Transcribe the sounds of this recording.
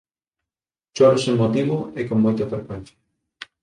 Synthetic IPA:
t͡ʃoɾʊseŋmːot̪iβʊekoŋmːojt̪ɐfeɾkwen̟θjḁ

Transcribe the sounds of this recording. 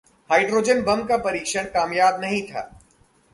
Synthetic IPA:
haːɪɖɾoːd͡ʒənbɐmkapɐɾiːkʃəɽ̃kaːmjaːb̚nɐɦĩt̪ʰa̰ː

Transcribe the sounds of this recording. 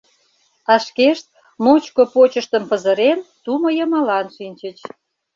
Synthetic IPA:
ɑʃkeʃt̪̚ | mot͡ɕkopot͡ɕəʃt̪əmpə̆zəɾent̪umojəmɑlɑnʃinʲt͡ɕət͡ɕ

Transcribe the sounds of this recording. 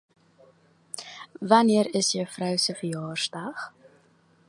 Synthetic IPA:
vɐniəɾəsjœwfrœwsəfəjɑːrsdɐχ

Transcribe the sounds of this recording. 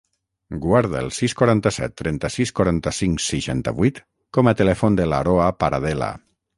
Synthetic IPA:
ɡwaɾð̞əelˠsiskwaɾant̪əsɛ̰t̪ːɾʔɛnt̪əsiskwaɾant̪əsiŋsəʃant̪ə̰βuit̪ | kɔmət̪əlɛfond̪əlaɾoapaɾaðɛla̰

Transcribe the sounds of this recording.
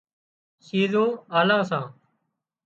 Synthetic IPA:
siːzõːaːlãːs̬ãː

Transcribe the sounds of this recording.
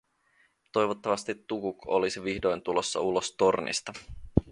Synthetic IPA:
t̪o̞jʋot̪ːɑʋɑst̪it̪ːukuko̞lisiʋiçdo̞jnt̪ulo̞sːɑ̰ulo̞st̪o̞rnḭst̪ɑ

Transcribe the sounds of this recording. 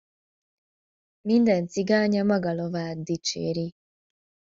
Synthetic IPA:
mindant͡siɡaɲamaɡalɔβad̪it͡ʃḛɾi

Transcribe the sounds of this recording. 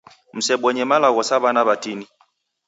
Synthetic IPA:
m̩sɛɓɔɲɛmalaɣɔsaβanaβatini

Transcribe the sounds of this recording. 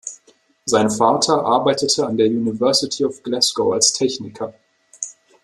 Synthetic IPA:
zaɪnfaːtʰɐʔaɐbaɪtətʰəandeːɐjuːnivɛɐsɪtʰiɔfɡ̥lɛskoʊalstʰɛçnɪkʰɐ

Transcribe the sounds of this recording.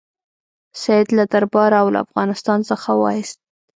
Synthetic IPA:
saɪd̪lad̪aɾbɑɾaawla̰a̰fɣɑnɪst̪ɑnsəxawɑ̰ɪst̪̚

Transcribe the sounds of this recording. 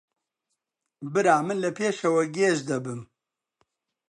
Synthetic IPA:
bɨɾaːmɨnlɐpʰeːʃɐwɐɡeːʒd̪ɐbɨm

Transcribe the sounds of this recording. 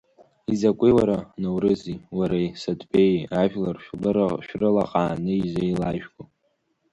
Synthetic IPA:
izakʷʼiwaɾanowrɨziwaɾajsadʼbʼejaʒᶣlarʃᶣlɨɾaʃᶣrɨla̰qʼaːnɨizʷajlaʒᶣɡʷʼo

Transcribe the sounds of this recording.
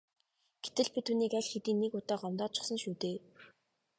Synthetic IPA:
ɡ̥et̪ɘ̆ɮpit̪ʰuniːkæɮxet̪iːnːekʊt̪ɔːɢɔmt̪ɔːt͡ɕʰʊ̥̆χsə̆nʃuːt̪eː

